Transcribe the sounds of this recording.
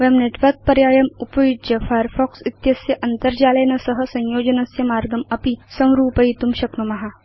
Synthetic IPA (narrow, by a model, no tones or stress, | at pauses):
ʋemneːʈʋɐɾk̚pɐɾjaːjɐmupɐjud̪d͡ʒɐfʰaːɾfʰɔːksit̪jɐsjɐʔɐnt̪ɐɾd͡ʒaːlɐjnɐsɐɦɐ̆sɐ̃njoːd͡ʒɐnɐsjɐmaːɾɡɐmɐpisɐ̃w̃ɾuːpɐit̪umʃɐknumɐɦa